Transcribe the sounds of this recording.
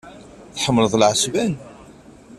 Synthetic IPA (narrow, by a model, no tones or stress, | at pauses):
θħəmːələðˤlʕəsvæn